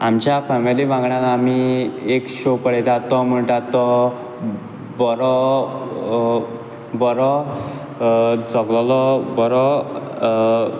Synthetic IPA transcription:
amt͡ɕjafɛmilibãŋɡɳjalamiekɕopəɽɛt̪at̪ːɔm̤əɳʈat̪ːɔ | bɔɾɔ | bɔɾɔ | t͡sɔɡlɔlɔbɔɾɔ

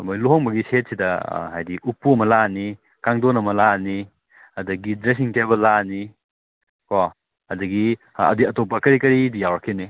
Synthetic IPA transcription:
mojloɦoŋbɐɡiset̚sidɐ̰ɦajdiʔupːuɐmɐlani | kaŋdonɐmɐlani | ɐdɐɡidɾes̬iŋtebɐlːani | ko | ɐdɐɡi | ɐ̰diɐtopɐkɐɾikɐɾidijawɾɐkʰːeni

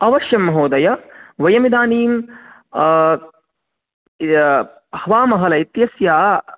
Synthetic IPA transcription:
ɐʋɐʃjɐmːɐɦoːd̪ɐjɐʋɐjɐmid̪aːniːm | hɐʋaːmɐɦɐlɐit̪jɐsjaː

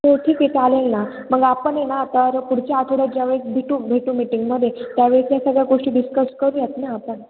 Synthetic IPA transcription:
moʈʰiːket̪alelna | məɡapəɳjenat̪əɾpuɽt͡ɕaat̪ʰoɽad͡ʑaʋeɭikbʱiʈuːbʱeʈuːmiʈiŋɡməd̪ʱːjet̪jaʋeɭit̪jasəɡɭjaɡoʂʈiːɖiskəskəɾuːjet̪naapəɳ

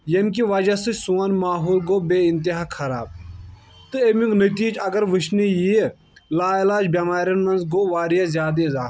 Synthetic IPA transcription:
jɐmk̬iʋɐd͡ʒasɨsuːanmaːɦuːlɡoːbeːɪnt̪̬iɦaːkʰɐɾaːb̚ | t̪ɨemiŋɡnət̪iːd͡ʒɐɡəɾʋɨʃniji | laːilaːd͡ʒbjaːmaːɾʲjɐnmɐnzɡoːʋaːɾijazjaːd̪ezaː

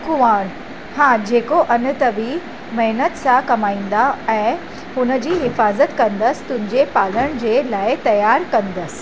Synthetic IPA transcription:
kʊʋaːɽ | hãd͡ʑeːkoʔɐnət̪əʋi | mɐɦnət̪sãkɐmaːĩːnd̪aɛ̃ː | hʊnəd͡ʑiːɦɪfaːzət̪kɐ̃nd̪əst̪ʊ̃ɦɪ̃ɲd͡ʑepaːləɽ̃d͡ʑelaːɪt̪ɐjaːɾkɐ̃nd̪əs

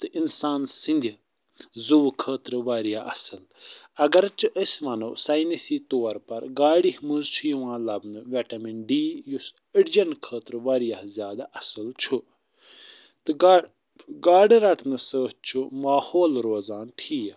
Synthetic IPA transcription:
t̪ɨʔinsaːnsind̪ʲi | zuʋkʰəːt̪ɾɨʋaːɾijaːʔɐ̰səl | ɐɡɐɾt͡ʃʰuʔəsʲʋɐno̰ːsaːjnisiːt̪oːɐɾpɐɾɡaːɽihmuzt͡ʃʰujuʋãːlɐbnɨʋeʈɐminɖiːjus | əɽd͡ʒɐnkʰəːt̪ɾʋaːɾijaːzʲjaːd̪aʔɐsəlt͡ʃʰu | t̪ɨɡa | ɡaːɖiɾɐʈʰnɨsəːɦt͡ʃʰumaːhoːlɾoːzaːnʈʰiː

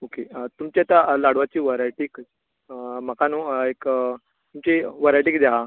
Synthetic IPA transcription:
oket̪umt͡ɕeat̪alaɽʋat͡ɕiːʋəɾajʈiːk | m̤akanoek | t̪umt͡ɕiʋəɾajʈiːkd͡zaɦa

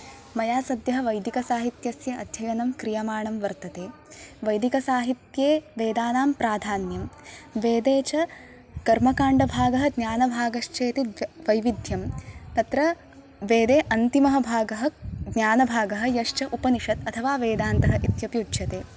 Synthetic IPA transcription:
mɐjaːsɐd̪jɐɦɐ̆ʋɐjd̪ikɐsaːɦit̪jɐsjɐʔɐd̪ʱjɐjɐnɐmkɾijɐmaːɳɐmʋɐɾt̪ɐt̪eː | ʋɐjd̪ikɐsaːɦit̪jeːʋeːd̪aːnaːmpɾaːd̪ʱaːnjɐmʋeːd̪eːt͡ʃɐ | kɐɾmɐkaːɳɖɐbʱaːɡɐɦɐ̆ɡnʲjaːnɐbʱaːɡɐʃt͡ʃeːt̪iʋɐjʋid̪ʱjɐmt̪ɐt̪ɾɐ | ʋeːd̪eːʔɐnt̪imɐɦɐ̆bʱaːɡɐɦɐ̆ɡnʲjaːnɐbʱaːɡɐɦɐ̆jɐʃt͡ʃɐʔupɐniʂɐt̪ɐt̪ʰɐʋaːʋeːd̪aːnt̪ɐɦɐʔit̪jɐpjuːdʃɐt̪eː

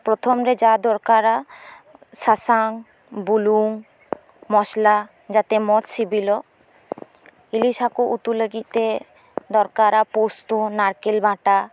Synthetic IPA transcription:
pɾɔt̪ʰɔmɾɛd͡ʒad̪ɔɾkaɾa | sasaŋ | buluŋ | mɔsla | d͡ʒat̪ɛmɔt̪sibilɔ | ilisakuʔut̪uləɡit̪̚ˀt̪e | d̪ɔɾkaɾapost̪unaɾkelbʱãʈa

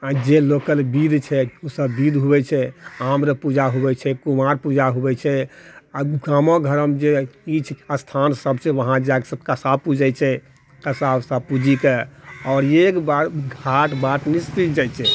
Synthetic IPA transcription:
ad͡ʒelokəlbid̪t͡ʃʰɛosəbːid̪ɦubɛt͡ʃʰɛamɾəpud͡ʒaɦubɛt͡ʃʰɛkumaɾpud͡ʒaɦubɛt͡ʃʰɛaɡamɔ̃ɡʱəɾəmd͡ʒeit͡ʃʰəst̪ʰansəbsẽʋəɦãd͡ʒaksəb̚kəsabpud͡ʒɛt͡ʃʰɛ | kəsabsəbpud͡ʒikeɔːɾekbaɡʱaʈbaʈnist͡ʃit̪d͡ʒajt͡ʃʰɛ

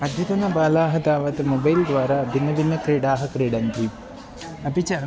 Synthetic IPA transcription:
ɐd̪ʱjɐt̪ɐnɐbaːlaːɦɐd̪aːʋɐt̪ɐmobɐjld̪ʋaːɾɐbʱinːɐbinːɐkɾiːɽaːɦɐkɾiːɽɐnt̪i | ɐpit͡ʃɐ

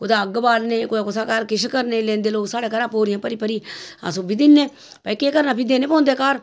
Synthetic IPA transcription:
kʊd̪aːəɡbaːlneːkoːaːkʊsaːkaːɾkɪʃkəɾnẽːlẽːnd̪eːloːɡsaːɽeːkəɾãːpoːɾɪjãːpəɾiːpəɾiːa̰sõːbiːd̪ɪnːẽː | pəikeːkəɾnaːpɪd̪eːnẽːpɔ̃ːnd̪eːkaːɾ

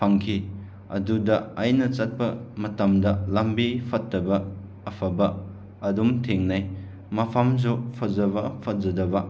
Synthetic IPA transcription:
pʰaŋkʰi | ɐ̰dudɐːjnɐt͡ʃɐt̚pɐmɐtɐmdɐlambipʰɐtːɐbɐː | pʰɐbɐː | dumtʰeŋnaj | mɐpʰamzɔpʰɐzɐβɐpʰɐzɐdɐbɐ

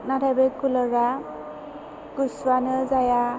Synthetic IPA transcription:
natʰajbekulɔɾa | kuswanɯzaja

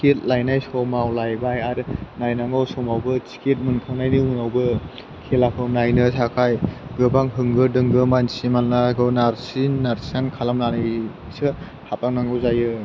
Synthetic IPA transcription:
ket̚lajnajsɔmawlajbajaɾɯnajnaŋawsɔmawbɯsi̥ket̚mɯnkʰaŋnajnɯunawbɯ | kʰelakʰɯnajnɯsakʰajɡɯbaŋɦɯŋɡɯdɯŋɡɯmansimanlaɡɯwnaɾsinːaɾsankʰalamnanɯj | sɯ | hap̚aŋnaŋɡɯwzajɯ

